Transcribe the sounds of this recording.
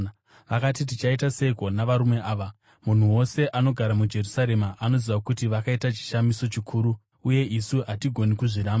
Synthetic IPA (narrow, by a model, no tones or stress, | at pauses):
ʋakat̬it̬it͡ʃaitase̞iko̞naʋaɾume̞ʔaːʋa | mun̤uwo̞se̞ʔano̞ɡʱaɾamud͡ʒe̞rusaɾe̞maʔano̞ziʋakutiʋakaitat͡ʃi̥ʃamiso̞t͡ʃikʰuːɾu | uje̞ʔisuɦatiɡʱo̞nikuʐiɾaːma